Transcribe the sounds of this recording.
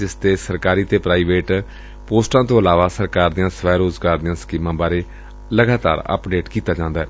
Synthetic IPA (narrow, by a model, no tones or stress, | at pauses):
d͡ʒɪst̪eːsəɾkaːɾiːt̪eːpɾaːiːʋeːʈ | poːsʈãːt̪õːəlaːʋaːsəɾkaːɾd̪ijãːsəʋɛːɾoːzɡaːɾd̪ijãːskiːmãːbaːɾeː | ləɡaːt̪a̰ːɾə̰pɖeːʈkiːt̪aːd͡ʒãːnd̪aːɛː